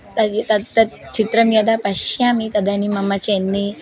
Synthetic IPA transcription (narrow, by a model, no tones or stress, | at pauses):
t̪ɐt̪ɐt̪ɐt͡ʃit̪ɾɐmjoːd̪apɐʃjaːmit̪ɐd̪ɐnimɐmɐt͡ʃenːi